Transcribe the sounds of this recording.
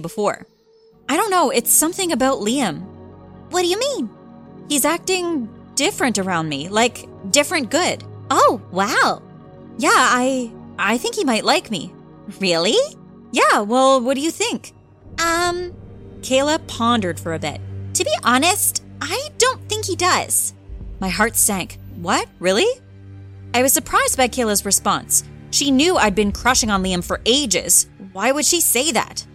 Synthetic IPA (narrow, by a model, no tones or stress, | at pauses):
bəfɔ̰ɹ | aɪɾõʊ̃nːoʊɪtsʌ̃mθɪ̃ŋɨbaʊtˡliɨ̃mwʌt̚d̥ɨjɨmĩnhizæk̚tɪ̃ŋd̥ɪfɹɨ̃ntə˞ãʊ̃ndmilaɪk | d̥ɪfɹɨ̃nɡ̥ʊd̥oʊwaʊ | jæaɪʔaɪθɪ̃ŋkhimaɪʔˡlaɪkmḭ | ɹɪlˠi | jæwɛlˠwʌt̚d̥ɨjɨθɪ̃ŋk | ʔʌ̃mkʰeɪlˠəpʰɑ̃ndə˞d̥fə˞ɨbɪ̰t̚tʰɨbiʔɑnɨstaɪdõʊ̃nθɪ̃ŋkhidʌz̥maɪɦɑɹtsæ̃ŋkwʌt̚ɹɪlˠi | aɪwʌz̥sə˞pʰɹ̥aɪzd̚baɪkʰeɪlˠəzɹɨspɑ̰̃nsʃinjʉaɪd̚bɨ̃nkʰɹ̥ʌʃɪ̃ŋə̃nliɨ̃ɱfə˞ʔeɪd͡ʒɪ̰z̥waɪwɨd̥ʃiseɪðæ̰t̚